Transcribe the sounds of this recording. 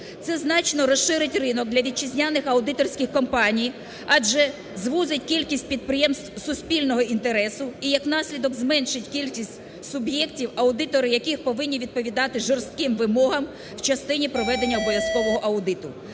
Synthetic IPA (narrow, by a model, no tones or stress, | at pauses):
t̪sɛznɑt͡ʃnɔɾɔsʃɪɾɪtʲrɪnɔɡ̚d̪lʲɐʋʲid̪̚t͡ʃizʲnʲanɪxɐʊd̪ɪt̪ɔrsʲkʲɪxkɔmpɑnʲij | ɑd͡ʒʒɛ | zʋuzʲɪtʲkʲilʲkʲisʲt̚ʲpʲid̪̚pɾɪjɛmst̪ʋsʊsʲpʲilʲnɔɦɔʔint̪eɾɛsʊijɐknɑsʲlʲid̪ɔɡzmɛnʃɪtʲkʲilʲkʲisʲtʲsʊbjɛktʲiwɐʊd̪ɪt̪ɔɾɪjɐkɪxpɔʋɪnʲːiʋʲid̪̚pɔʋʲid̪ɑt̪ɪʒɔrst̪̚kɪmʋɪmɔɦɐm | w̥t͡ʃɐst̪ɪnʲipɾɔʋɛd̪e̞nʲːɐɔbɔʋʲjɐskɔʋɔɦɔʔɐʊd̪ɪt̪ʊ